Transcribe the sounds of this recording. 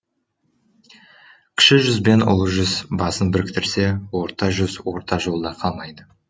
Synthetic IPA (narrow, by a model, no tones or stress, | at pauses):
kʲʰɪ̥ʃɪʒʏzbe̞nʊ̰lˠəʒʏzbɑsənbɪɾɪkt̪ɪɾse̞wo̞ɾt̪ɑʒʏzwo̞ɾt̪ɑʒo̞lˠd̪ɑqʰɑlˠmɑjd̪ə